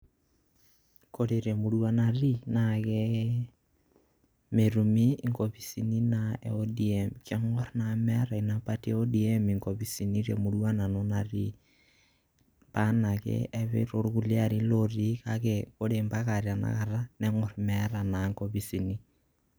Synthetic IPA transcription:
koɾeɾemuɾwanarinaɣe | meɾumiŋkoβisininaeodiemkeŋoɾnamɛɾainapateodiemiŋkoβisiniɾḛmuɾwananonaɾi | panakḛeβḛɾoɾuɣuliaɾiloɾikakekoɾembaɣaɾjana̰ɣaɾaneŋoɾmɛɾanaŋkoβisini

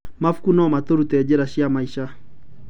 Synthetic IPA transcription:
mafu̥kunɔmatoɾutɛd͡ʒeɾaʃiamaiʃa

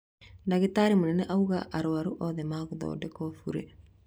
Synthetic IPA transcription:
ndaɣetaɾimonɛnɛʔauɣa̰ʔaɾoaɾuʔɔðɛmaːɣuðɔ̰ːdɛkɔfuɾe

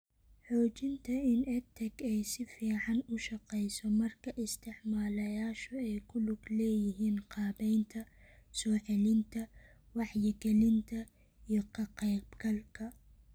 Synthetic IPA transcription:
ħɔːt͡ʃɪnt̪ʰɐɪnɛt̪ʰɛɡɛjsɪfiːʕɑnʊʃɑqɛjsɔmɐrkʰɐʔɪst̪ʰɪʕmaːlɐjaːʃɔɛjkʰʊlʊɡlɛːjɪɦiːnqɑːbɛjnt̪ʰɐsɔːħɛlɪnt̪ʰɐ | wɑħjɛɡɛlɪnt̪ʰɐ | ijɔkʰɐqɛjbɡɐlkʰɐ

